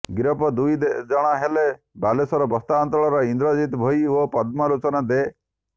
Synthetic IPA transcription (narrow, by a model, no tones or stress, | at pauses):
ɡɾɔpɔd̪ujd̪ed͡ʒɔɽ̃aɦele | balesɔɾɔbɔst̪aːnt̪ɔɭɔɾɔind̪ɾɔd͡ʒit̪bʱɔjopɔd̪mɔɾut͡ʃɔnad̪e